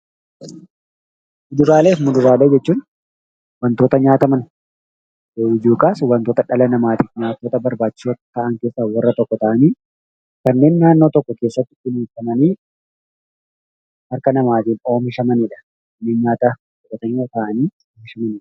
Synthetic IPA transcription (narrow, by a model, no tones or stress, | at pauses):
mʊd̪ʊɾaːleːmʊd̪ʊɾaːle̞ːd͡ʒɛt͡ʃːuːn | wɐnt̪o̞ːt̪ɐɲaːt̪ɐmɐn | eɪd͡ʒuːkʼaːswɐnt̪o̞ːt̪ɐᶑɐlɐnɐmaːt̪iɲaːt̪ːoːt̪ɐbɐɾbaːt͡ʃːɪ̥soːt̪ɐt̪ɐʔɐŋke̞ːsːawɐrːɐt̪ɔkːɔt̪ɐʔɐniː | kɐnːe̞ːnːaːnːoːt̪ɔkːɔke̞ːsːɐt̪ːɪɪliːfɐmɐniː | hɐɾkɐnɐmaːt̪iːno̞ːmɪʃɐmɐniːᶑɐ̥ | kɐnːe̞ːnɲaːt̪ɐ | ɔkɐt̪ɐɲot̪ɐʔɐniː | oːmɪʃɐmɐniːᶑɐ̥